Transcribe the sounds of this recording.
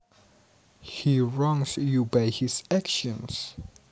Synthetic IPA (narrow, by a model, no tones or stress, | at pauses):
hiɹɔ̃ŋsjubaɪhɪzækʃə̃ns